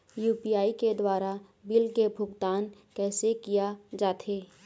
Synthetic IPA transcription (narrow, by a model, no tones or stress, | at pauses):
juːpijaːiked̪waːɾa | bɪlkebʱʊɡt̪aːnkɛːsekijad͡ʒaːt̪ʰeː